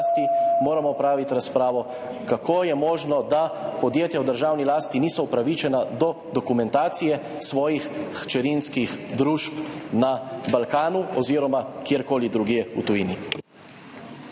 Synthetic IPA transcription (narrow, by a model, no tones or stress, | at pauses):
st̪imoːɾamɔpɾaːʋit̪ɾaspɾaːʋɔ | kakʰoːjɛmoːʒnɔd̪apɔd̪jeːt̪jawd̪əɾʒaːwnilaːst̪iniːsɔupɾaʋit͡ʃɛnad̪ɔ | d̪ɔkumɛnt̪aːt̪sijɛ | sʋɔːjixxt͡ʃɛɾinskixd̪ɾuːʃpnabalkaːnuɔziːɾɔmakjeːɾkoːlid̪ɾuɡjeːṵt̪ujini